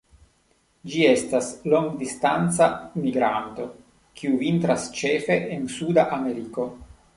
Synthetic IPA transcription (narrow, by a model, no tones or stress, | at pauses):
d͡ʒie̞staslo̞ŋɡdistant͡samiɡɾanto̞ | kʰiuvint̪ɾast͡ʃe̞fe̞ʔːnsudaʔameɾiko̞